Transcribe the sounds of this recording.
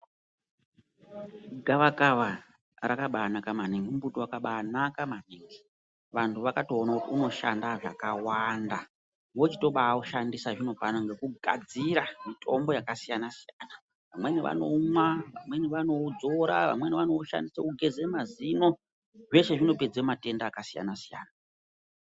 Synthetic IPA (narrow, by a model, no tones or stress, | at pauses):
ɡʱaʋakaʋa | rakaɓaːnakamaniŋɡimubutowakaɓaːnakamaneŋɡi | ʋantʰuʋakato̞ːnakutiuno̞ʃandaʐa̰kawanda | wo̞t͡ʃi̥to̞ɓaːuʃandisaʐino̞panaŋɡe̞kuɡʱa̰d͡ziɾamitʰo̞mbo̞jakasijanasijana | ʋamwe̞neʋa̰no̞mwaʋa̰mwe̞neʋano̞d͡zo̞ɾa̰ʋa̰mwe̞neʋanoʃa̰ndisekuɡʱe̞ze̞mazino̞ | ʐe̞ʃe̞ʐino̞pe̞d͡zeomate̞ndaːkasija̰nasija̰ːna